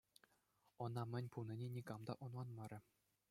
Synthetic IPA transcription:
ɤ̆nɑmʲɘ̆nʲpunʲɤ̆nʲenʲikɑmd̪ɑ̰ʔunlˠɑnmɑɾʲɘ̆

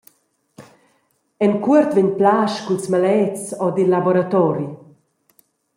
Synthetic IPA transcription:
ɛnkuəɾt̪viɲplaʃkulsmalɛt͡sɔd̪ilːabɔɾat̪ɔɾi

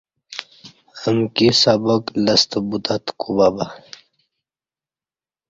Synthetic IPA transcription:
əmkisaboklɐst̪əbut̪at̪kʰubaba

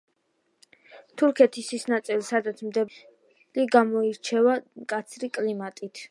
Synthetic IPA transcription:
t̪ʰuɾkʰɛt̪ʰisisnat̪sʼilˠsad̪at̪sʰmd̪ɛ | liɡamɔiɾt͡ʃʰɛvamkʼat̪sʰɾikʼlimat̪ʼit̪ʰ

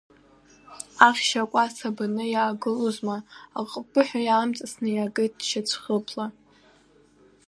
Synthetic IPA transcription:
aχʲʃakʷʼasabanɨjaːɡɨluzmaa̰qʼbɨħʷᶣajaːmt͡sʼasnɨjaɡɨt̚ʰʼdʃat͡ɕʷʰχəpʰla

